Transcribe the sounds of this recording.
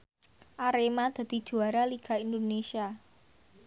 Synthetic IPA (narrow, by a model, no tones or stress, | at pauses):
ʔaɾemad̪̥ä̤d̪̥i̤d̥ʒ̥ṳaɾaliɡ̥a̤ind̪onesia